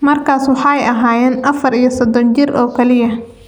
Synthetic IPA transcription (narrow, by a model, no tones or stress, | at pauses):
mɐrkʰaːswɑħɑjɐɦaːjɛːnʔɐfɐɾijɔsɔd̪ɔnt͡ʃɪrʔɔːkʰɐlɪjɐ